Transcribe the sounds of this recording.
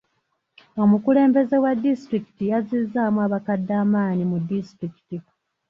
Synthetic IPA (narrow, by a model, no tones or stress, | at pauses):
o̞mukule̞ːmbe̞ze̞wadːistɾiki̥tijaziːzːaːmuaːβakadːaːmaːnimudːistɾiki̥ti